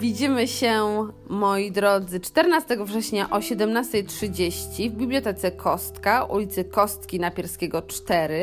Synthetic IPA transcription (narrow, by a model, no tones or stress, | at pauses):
vʲid͡ʑimɘɕɛmɔjid̪ɾɔd̪zɘt͡ʂt̪ɛɾnast̪ɛɡɔvʐɛɕɲaʔɔɕɛd̪ɛmnast̪ɛjtʂɘd͡ʑeɕt͡ɕivbʲibljɔt̪ɛt̪sɛkʰɔst̪kaṵlʲit̪sɘkɔst̪kʲinapʲjɛɾskʲeɡɔt͡ʂt̪ɛɾɘ